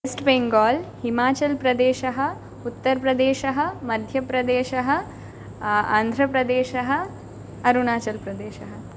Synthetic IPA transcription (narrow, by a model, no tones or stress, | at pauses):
esʈbeŋɡɔːlhimaːt͡ʃɐlpɾɐd̪eːʃɐɦɐ | ut̪ːɐɾpɾɐd̪eːʃɐɦɐmɐd̪ʱjɐpɾɐd̪eːʃɐɦɐ | a̰ːnd̪ʱɾɐpɾɐd̪eːʃɐɦɐ | ɐɾunaːt͡ʃɐlpɾɐd̪eːʃɐɦɐ